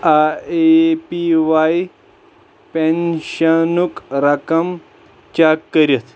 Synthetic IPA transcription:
aepiʋaj | penɕɐnukɾɐkɐm | t͡ʃakːəɾjɐt̪ʰ

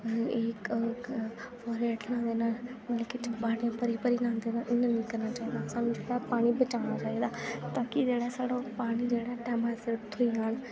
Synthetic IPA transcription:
eːk | fɔːɾɛːʈʰnãːd̪enãːlkɪt͡ʃbaːɽjãːpəɾipəɾinãːd̪eːnãːʔɪnãnĩkəɾnaːt͡ʃaːiːd̪aːəsãːnũd͡ʒeːɽapaːɽ̃ibət͡ʃaːɽ̃aːt͡ʃaːiːd̪aːt̪aːkid͡ʒeːɽasaːɽopaːɽ̃id͡ʒeːɽaʈɛːmasɪʈt̪ʰʊiɦən

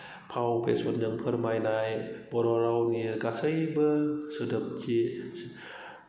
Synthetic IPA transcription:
pʰawpasuənd͡ʒɯŋpʰɯɾmajnajbɔɾɔɾawnikasɯjbəsɯdɯp̚t͡ɕi

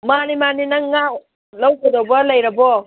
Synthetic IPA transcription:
manimaninɐŋːa | lawkodobalajɾabɔ

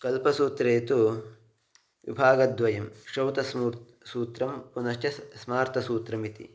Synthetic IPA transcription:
kɐlpɐsuːt̪ɾeːt̪u | ʋḭbʱaːɡɐd̪ʋɐjɐmʃɾɐwt̪ɐs | suːt̪ɾɐmpunɐʃt̪jɐsmaːɾt̪ʰɐsuːt̪ɾɐmit̪ḭ

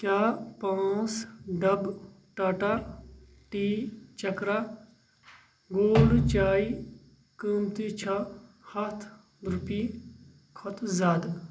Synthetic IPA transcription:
kjaːpãːsɖɐb | ʈɐʈɐɾ | ʈiːt͡ʃɐkɾa | ɡoːlt͡ʃaːi | kəmt̪it͡ʃʰa | hɐt̪ʰ | d̪ɾupi | kʰɔt̪ʰzaːd̪

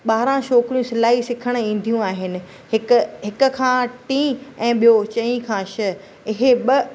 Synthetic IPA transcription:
ɓaːɾãʃoːkɾijũsɪlaːɦisɪkʰəɽ̃ĩːn̆d̪ʱijũaːɦɪnɪ̆ | ɦɪkɦɪkʊ̆kʰãːʈĩːɛ̃ːɓijot͡ɕɐ̃ĩkʰãːʃɪ | ɪɦeɓɐ

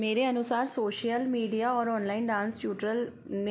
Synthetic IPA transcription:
meːɾeənʊsaːɾsoːʃjəlmiːɖijaɔːɾɔːnlaːɪnɖãːnsʈjuːʈɾəl | ne

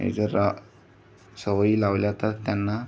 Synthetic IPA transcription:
ḛd͡zəɾa | səʋəilawljat̪at̪ːjanːa

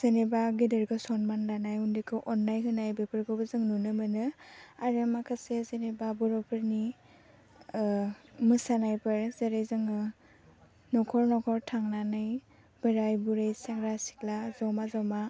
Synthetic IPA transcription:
z̥enebaɡidɯɾɡɯsɔnmannanajundikʰɯʔɔnːajɦɯnajbepʰɯɾɡɯwbɯzɯŋnunɯmɯnɯaɾɯmakʰasezenebabɔɾɔpʰɯɾni | mɯsanajpʰɯɾzeɾejzɯŋɯ | nɔkʰɔɾnɔkʰɔɾtʰaŋnanaj | b̥ɯɾajbuɾajseŋɾasi̥klazawmazawma

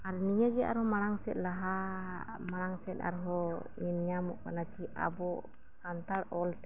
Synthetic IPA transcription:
aɾnijəɡɛʔa̰ɾhɔmaɽ̃aŋsɛ̰t̪̚ˀlaɦa | maɽ̃aŋsɛt̪̚ˀa̰ɾɦɔɲinɲamɔ̰ʔkanat͡ʃiʔa̰bɔ | sant̪aɽɔlt̪ɛ

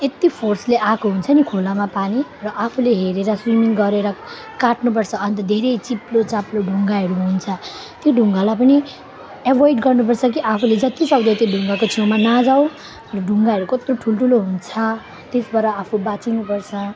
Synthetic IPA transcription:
et̪ipʰorsleʔakoɦunt͡sʰʌnikʰolamapanirʌʔapʰuleɦeɾeɾʌsrimiŋɡʌɾeɾʌ | kaʈnup̬ʌrt͡sʰʌʌnt̪ʌd̪ʱeɾejt͡siplot͡saploɖʱuŋɡaɦʌɾuɦunt͡sʰʌ | t̪joɖʱuŋɡalapʌni | ebʌjɖɡʌrnup̬ʌrt͡sʰʌk̬iʔapʰuled͡zʌt̪isʌwd̪ʌt̪iɖʱuŋɡakot͡sʰiwmanad͡zaw̃ | rʌɖʱuŋɡaɦʌɾukʌt̪roʈʰulʈʰuloɦunt͡sʰʌ | t̪esbʌɾʌapʰubat͡sinupʌrt͡sʰʌ

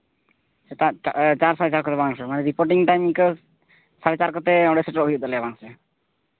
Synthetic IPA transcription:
aat͡ʃaɾsaɾɛt͡ʃaɾkɔt̪ebʱaŋsɔmanɛɾipoɾʈiŋʈajmik | saɾɛt͡ʃaɾkɔt̪eɔɽesɛʈɔɾobʱid͡ʒod̪ɔlɛabaŋse

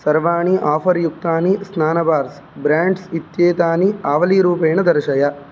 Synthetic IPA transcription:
sɐɾʋaːɳiʔaːfɐɾjuk̚t̪aːnisnaːnɐbaːɾs | bɾaːɳɖsit̪jeːt̪aːniaːʋɐliɾuːpeːɳɐd̪ɐɾɐʃɐjɐ

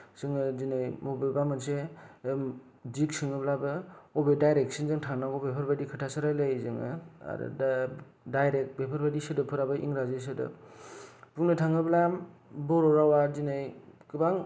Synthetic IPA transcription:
z̥ɯŋɯzinɯjmobebamɯnsem | d͡ʒik̚sɯŋɯblabɯɔbedajɾek̚sinzɯŋtʰaŋnaɡɔbepʰɯɾbadikʰɯtʰasɯɾajlajzɯŋɯa̰ɾɯ̰d | dajɾek̚bepʰɯɾbadisɯdɯpʰɯɾabɯʔḭŋɾazes̬ɯdɯ̰ | puŋnɯtʰaŋɯblambɔɾɔɾawazinɯjkɯbaŋ

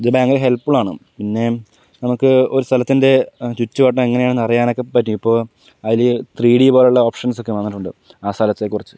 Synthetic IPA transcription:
d͡ʑebaːŋɡɐleɦe̞lpːiɭaːɳɨpinːe̞ | nɐmukːɨo̞ɾust̪ʰɐlɐt̪ːinde̞t͡ɕutːuʋɐʈ̬ːɐmeŋːɐnejaːɳɨnɐrijaːno̞kːe̞pːɐtːiipːo̞ː | ɐðilt̪riːɽibo̞ːluɭːɐoːpʂɐnso̞kːeʋɐnːiʈːuɳɖɨ | aːst̪ʰɐlɐt̪ːekːurit͡ɕːɨ̥

